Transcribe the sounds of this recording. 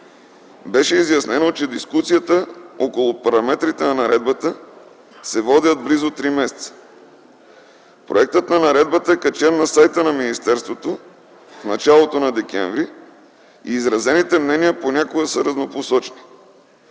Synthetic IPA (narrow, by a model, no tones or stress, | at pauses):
bɛʃɛizjɐsnɛnot͡ʃɛd̪iskusijət̪əɔkolˠʊpɐɾɐmɛt̪ɾit̪ɛnɐnɐɾɛd̪̚bət̪ə | sɛvɔd̪ʲəd̪̚blizot̪ɾimɛsɛ̥t̪sə̥ | pɾʔo̰ɛk̚t̪ət̪nɐnɐɾɛd̪̚bət̪əɛkɐt͡ʃɛnnɐsajt̪ənɐminist̪ɛɾst̪vot̪o | fnɐt͡ʃalˠot̪onɐd̪ɛkʲɛ̰ɱvɾi | iːzɾɐzɛnit̪ɛmnɛniəponʲakoɡəsəɾɐznoposɔt͡ʃɛni̥